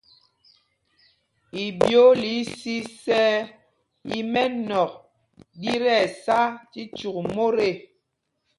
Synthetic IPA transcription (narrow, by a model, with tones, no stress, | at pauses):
i˨bjo˦li˨˦si˦sɛ˦ | i˦mɛ˦nɔ˨k̚ | di˦ɾɛ˦˨sa˦ti˦t͡ʃu˨k̚mo˦ɾe˦˨